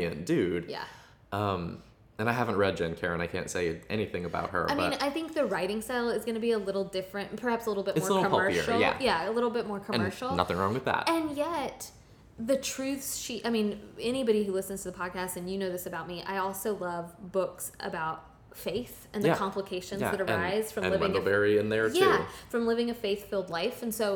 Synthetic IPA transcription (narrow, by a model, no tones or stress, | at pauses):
ɨ̰̃nd̥ʉd̥jæ̰ | ʔʌ̃m | ɨ̃naɪɦævə̃n̩ʔ̚ɹɛd̚d͡ʒɛ̃nkʰɛɹɨ̃naɪkʰæ̰̃ntseɪʔɛ̰ñiθɪ̃ŋɨba̰ʊt̚hə̰˞aɪmbiʌ̃naɪθɪ̃ŋk̚ðɨɹaɪɾɪ̃ŋstaɪlˠɨzɡʌñɨbiəlɪɾl̩ˠdɪfɹɨ̃npʰə˞hæpsəlɪɾl̩ˠbɪt̚mɔɹɾ̩ˠmɜ˞ʃə̰˞l̩ˠjæ̰jæəlɪɾl̩ˠbɪt̚mɔɹkʰəɨ̃ɜ˞ʃl̩ˠnʌ̰θɪ̃ŋɹɔ̰̃ŋwɨðæ̰t̚ɨ̃njɛt̪̚ | ðɨtʰɹ̥ʉθsʃiʔaɪmĩnɛñibɑɾihʉlɪsnz̥tʰɨðəpʰɑd̚kʰæstɨ̃njɨnoʊðɪsɨbaʊt̚miʔa̰ɪɔlˠsoʊlʌvbʊksʔɨ̰baʊt̚ | feɪθ | ɨ̃nðɨkʰɑ̃mpləkʰeɪʃɨ̃njzðɨɾə̃˞aɪz̥fɹʌ̃m̃lɪɪ̃ŋvɛɹiɨ̃nðə˞tjæfɹʌ̃mlɪvɪ̃ŋɨfeɪθfɪlˠdˡlaɪfɨ̃n̩soʊ